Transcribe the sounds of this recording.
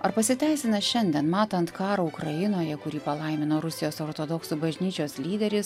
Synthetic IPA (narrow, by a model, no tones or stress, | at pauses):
ɐɾpɐsʲɪt̪ʲæɪsʲɪnɐʃʲɛnʲd̪ʲiɛnmɑːt̪ɐnt̪kɑːɾɐʊkɾɐjɪnoːjɛkʊɾʲiːpɐlˠɐɪmʲɪnoːɾʊsʲɪjoːsoːɾt̪od̪ɔksubɐʒʲnʲiːt͡ʃʲoːslʲiːd̪ʲɛɾʲɪs